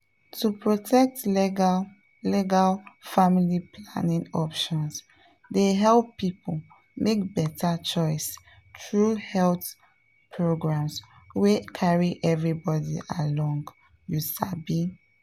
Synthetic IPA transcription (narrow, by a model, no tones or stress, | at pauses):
tupʰɹotʰɛk̚t | liɡalfamilipʰla̰nĩŋɔpʃɔ̃ns | deɦɛlˠpːipʰol | mek̚bɛtʰat͡ʃɔɪs | tɹuhɛlθ | pʰɹoɡɹãms | wekʰaɹiʔɛvɹibɔdiʔalɔ̃ŋɡ | jusabi